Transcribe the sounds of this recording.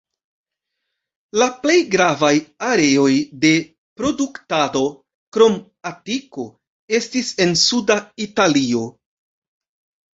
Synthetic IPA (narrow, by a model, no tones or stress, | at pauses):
laple̞jɡɾavajaɾe̞o̞jde̞ | pɾo̞duktado̞ | kɾo̞m | atiko̞ | e̞stise̞nsudaitalio̞